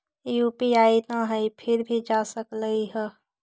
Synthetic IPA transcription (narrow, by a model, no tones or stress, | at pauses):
juːpiaːinaɦɛipʰɪɾbʱid͡ʒaːsəkləiɦɛː